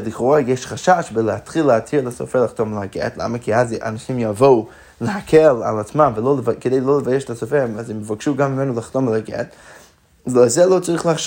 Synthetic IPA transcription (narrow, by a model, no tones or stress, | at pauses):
dɪkχɔʁajɛʃχaʃaʃvɪlˠəatχilˠəatʰilˠasɔ̰fɛlˠaχtɔmləaɡɛ̰tlˠa̰məkʰiaza̰naʃimjavoʊ | ləhakʰɛla̰lˠat͡smamvɪlˠoləvkədeɪlˠolˠəvajɛʃtasɔfɛmazɪməvaɡʃuːɡamːɪmɛnulˠaχtɔmlaɡɛ̰t | zozɛlˠoʊt͡saʁiχlˠaχʃ